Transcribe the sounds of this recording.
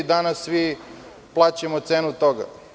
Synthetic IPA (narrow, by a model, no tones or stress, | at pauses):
d̪anasːʋi | plˠaːt͡ɕemot̪seːnut̪oɡa̰